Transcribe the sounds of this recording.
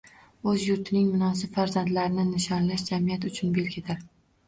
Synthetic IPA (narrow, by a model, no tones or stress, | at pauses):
ɵzjʊɾt̪ʰɪnɪŋmʊnɒs̬ɪbfaɾzand̪laɾɪnɪnɪʃɒnlaʃd͡ʒamijat̪ʊt͡ʃʰʊnbe̞lɡʲɪt̪ɪɾ